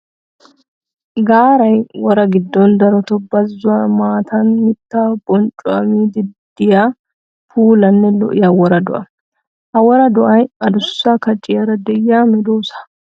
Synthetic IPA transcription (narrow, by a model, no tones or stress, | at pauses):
ɡaːɾɐjwɔɾɐɡɪd̪ːɔnd̪ɐɾɔt̪ɔbɐzːʊwamaːt̪ɐnmɪt̪ːaːbʼɔnt͡ʃʼːʊɐ̰miːd̪ɪd̪ɪjaː | pʰuːlɐnːɛlɔ̰ʔɪjɐwɔɾɐd̪ɔ̰ʔɐ | hɐwɔɾɐd̪ɔʔɐjɐd̪ʊsːakɐt͡ʃʼɪjɐɾɐd̪ɛjːaːmɛd̪oːsɐ̥